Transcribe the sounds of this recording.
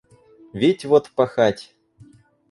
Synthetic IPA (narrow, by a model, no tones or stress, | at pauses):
vʲitʲvot̪pɐxatʲ